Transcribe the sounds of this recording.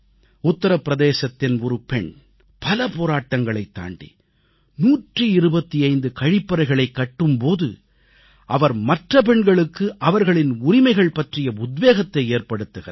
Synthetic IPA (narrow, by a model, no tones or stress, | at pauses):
ʊt̪ːɐɾɐpːɪɾɐðeːsɐt̪ːɪnɔɾɯpɛɳ | pɐlɐpoːɾaːʈːɐŋɡɐɭɐɪt̪ːa̰ːɳɖḭ | nuːʈrɯɪɾɯbɐt̪ːiɐɪnd̪ɯkɐɻɪpːɐɾɐɪɣɐɭɐɪkːɐʈːɯmpoːðɯ̰ | ʔɐʋɐɾmɐʈrɐp̬ɛɳɡɐɭɯkːɯʔɐʋɐɾɣɐɭɪnʊɾɪmɐɪɣɐɭpɐʈrɪjɐʊd̪ʋeːɣɐt̪ːɐɪeːrpɐɽɯt̪ːɯɣɐɾ